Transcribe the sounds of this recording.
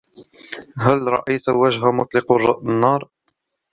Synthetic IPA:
ɦælɾˤɑ̰ʔajt̪waʒɦamʊt̪ˤlɪqʊrˤːɑʔnːɑːɾˤ

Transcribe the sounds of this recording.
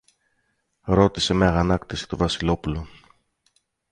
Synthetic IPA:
ɾo̞t̪ise̞mɐɣɐnɐkt̪isi̥t̪o̞vɐsilo̞pulo

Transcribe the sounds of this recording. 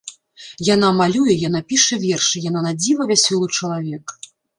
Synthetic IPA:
janamalʲujɛjanapʲiʂɛvʲɛrʂɨjananad͡zʲivɐvʲasʲɔlˠɨt͡ʂɐlˠavʲɛk

